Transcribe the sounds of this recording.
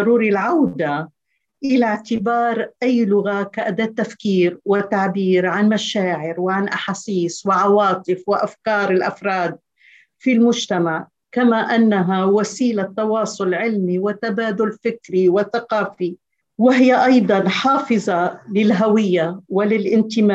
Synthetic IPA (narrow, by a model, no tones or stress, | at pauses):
ɾuːɾilʕawd̪a | ʔɪlaʕt̪ɪbɑːɾˤʔajːlʊɣakaʔad̪at̪ːafkiːɾwɪt̪ːaʕbiːɾʕanmaʃaːʕɪɾwɪʕanʔaħaːsiːswɪʕɑwɑːt̪ˤɨfwɪʔafkɑːɾˤɪlʔa̰fɾˤɑːd̪̚ | filmʊʒt̪amaʕ | kamaʔanːaɦawasiːlat̪ːɑwɑːsˤʊlʕɪlmiwɪt̪abaːd̪ʊlfɪkɾiwɪθaqɑːfi | wɪɦɪjːaʔɑjd̪ˤɑnħɑːfɨzˤɑlɪlɦawɪjːawɪlɪlʔɪnt̪ɪmaː